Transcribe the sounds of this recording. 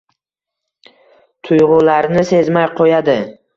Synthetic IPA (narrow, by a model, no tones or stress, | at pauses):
t̪ʰʊjʁʊlaɾnɪse̞zmajqʰojad̪ɪ